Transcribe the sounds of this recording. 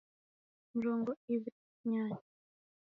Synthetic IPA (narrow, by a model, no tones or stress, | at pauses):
nd͡ʒɔŋɡɔiβ | ɲaːɲ